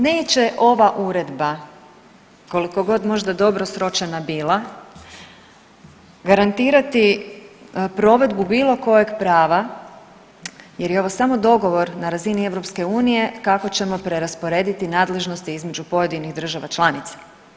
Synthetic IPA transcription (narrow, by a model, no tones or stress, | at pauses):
ne̞ːt͡ɕe̞ʔo̞ʋaʔuɾe̞d̪ba | ko̞liko̞ɡo̞d̪mo̞ʒd̪ad̪o̞bɾo̞sɾo̞t͡ʃenabiːlˠa | ɡaɾant̪iːɾat̪i | pɾo̞ːʋe̞d̪bubiːlˠo̞ko̞jeɡpɾaːʋa | je̞ɾjeo̞ʋo̞samo̞d̪o̞ɡo̞ʋo̞ɾnaɾazinie̞vɾo̞pske̞uːnije̞kako̞t͡ɕe̞mo̞pɾe̞ɾaspo̞ɾe̞ːd̪it̪inaːd̪le̞ʒno̞st̪iizme̞d͡ʒupo̞je̞d̪iniɣd̪r̩ʒaʋat͡ʃlˠanit̪sḁ